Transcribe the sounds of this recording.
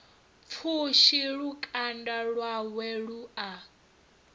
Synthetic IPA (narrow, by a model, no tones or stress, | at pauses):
fʰuʃiɺukʼandaɺwawɛɺuʔa